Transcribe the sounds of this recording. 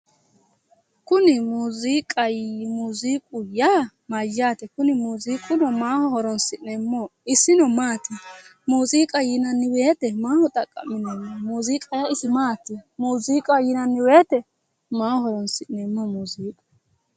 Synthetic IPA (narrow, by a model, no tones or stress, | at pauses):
kʊnɪmuːziːkʼɐjmuːziːkʼʊjaː | majaːt̪ɛkʊnɪmuːziːkʼʊnɔmaːhɔhɔɾɔnsɪnɛmːɔɪsːɪnɔmaːt̪ɪmuːziːkʼɐjɪnɐnːɪweːt̪ɛmaːhɔt̪ʼɐkʼːɐ̰mːɪnɛmːɔmuːziːkʼɐjaɪsɪmaːt̪ːɪmuːziːkʼɐjɪnɐnːɪweːt̪ɛ | maːhhɔɾɔnsɪnɛmːɔmuːziːkʼɐ̥